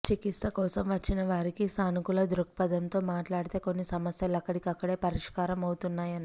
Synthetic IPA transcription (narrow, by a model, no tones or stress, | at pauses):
t͡ʃikit̪sɐkɔːsɐmʋɐt͡ʃːinɐʋaːɾikisaːnukulɐd̪ɾuk̚pɐd̪ɐnt̪o̞ːmaːʈlaːɽit̪e̞ːko̞nːisɐmɐsjɐlɐkːɐɽikɐkːɐɽe̞ːpɐɾiʂkaːɾɐmɐwut̪unːaːjɐni